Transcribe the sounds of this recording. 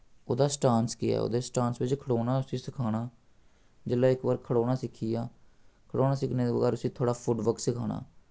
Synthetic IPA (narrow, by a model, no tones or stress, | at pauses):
oːd̪aːsʈaːnskɪja̰ːo̰ːd̪eːsʈãːnsʋɪt͡ʃkʰəɽoːnaːʊsĩːsɪkʰaːɽ̃aː | d͡ʒɪlaːɪkʋəɾkʰːəɽoːnaːsɪkʰːiːjaːkʰəɽoːnaːsɪkʰneːd̪eːbəɡɛːɾʊsĩːt̪ʰoːɽaːpʰʊɖʋəksɪkʰaːɽa̰ː